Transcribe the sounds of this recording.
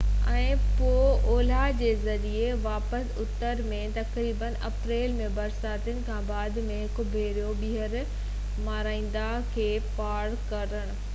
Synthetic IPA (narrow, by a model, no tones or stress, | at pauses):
ɛ̃ːpoːoːlad͡ʑeːzɐɾieʋaːpəsʊt̪əɾmẽt̪ɐkɾiːbənʔɐpɾeːlmẽbɐɾsaːt̪ənɪ̆kʰãːbaːd̪ʱmẽɦkʊbʱeːɾijoɓiɦəɾ | maːɾaːĩːn̆d̪a | kʰeːpaːɽkɐɾəɽ̃ʊ̆